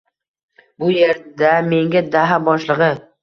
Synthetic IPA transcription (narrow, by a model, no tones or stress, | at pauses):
bʊje̞ɾd̪ame̞ŋɡʲad̪aɦabɒʃlˠɨʁɨ